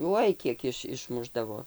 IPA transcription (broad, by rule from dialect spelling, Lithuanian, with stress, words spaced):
ˈuɔj ˈkʲiɛk ɪʃ ɪʃˈmʊʒdɐʋoː